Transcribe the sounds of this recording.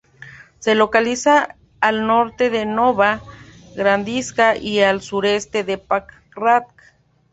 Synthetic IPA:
selokalisaː | lnoɾt̪eðenoβa | ɣɾand̪iskaʔialsuɾest̪eðepak | rat̪̚k

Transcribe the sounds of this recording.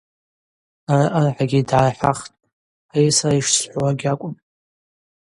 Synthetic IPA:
araʔərħaɡʲidʕaħʷaχtʼ | ajsaraiʂsħʷwaɡʲakʷʼʊm

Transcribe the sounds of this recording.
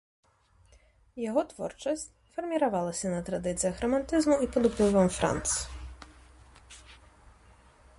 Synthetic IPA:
jaɣɔt̪vɔ̰rt͡ʂɐsʲt͡sʲ | fɐrmʲiɾavalˠɐsʲɐnɐt̪ɾad̪ɨt̪sɨjɐxrɔmant̪ɨzmuipɔd̪upɨvɐmfɾa̰nt̪s

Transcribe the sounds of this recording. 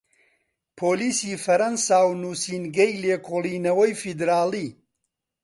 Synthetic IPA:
pʰoːliːsiːfɐɾɐnsaːwnuːsiːnɡɐjleːkʰoːliːnɐwɐjfid̪ɾaːliː

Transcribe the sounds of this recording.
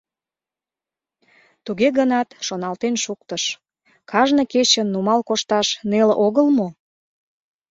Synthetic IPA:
t̪uɣeɣənɑt̪ʃonɑlt̪enʃuk̚t̪əʃ | kʰɑʒnə̆ket͡ɕənːumɑlkoʃt̪ɑʃnelʔoɣəlmo

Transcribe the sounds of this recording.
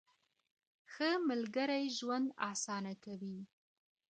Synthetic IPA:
xəmalɡəɾajʒwand̪ɑsɑnakawi

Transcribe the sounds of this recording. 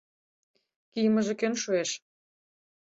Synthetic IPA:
kijmə̆ʒĕkønʃueʃ

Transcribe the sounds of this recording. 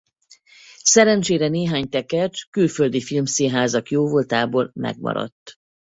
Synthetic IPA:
sɛɾɛnt͡ʃeːɾɛneːɦaːɲt̪ɛkɛrt͡ʃkylføld̪ifilmseːɦaːzɒkjoːvolt̪aːboːlmɛ̰ɡ̚mɒ̰ɾɒ̰t̪ː

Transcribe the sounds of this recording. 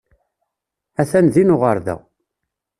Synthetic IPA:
æθænðinʊʁəɾðæ̰

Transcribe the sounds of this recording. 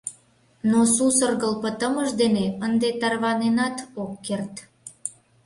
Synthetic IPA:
nosusərɣəlpət̪əməʒd̪eneənd̪et̪ɑrβɑnenɑt̪okːert̪

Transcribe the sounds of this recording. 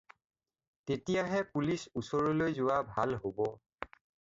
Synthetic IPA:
tetijaɦɛpulisusɔɹɔlojzʊwabʱalɦobɔ

